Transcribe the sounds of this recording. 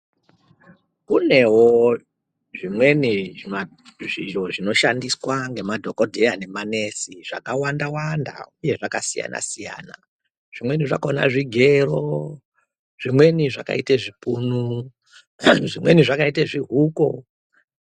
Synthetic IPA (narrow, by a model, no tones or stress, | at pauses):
kune̞wo | ʐimwe̞nii | ʐiʒoʐino̞ʃandiswaŋɡe̞madʱokodʱejane̞mane̞siʐa̰kawandawanda̰uje̞ʐaka̰sija̰nʔa̰sija̰ːna | ʐ̥imwe̞niʐakaona̰ʐiɡʱe̞ro | ʐ̥imwe̞niʐa̰ka̰iteʐipuːnu | ʐimwe̞niʐakaiteʐiɦuːko̰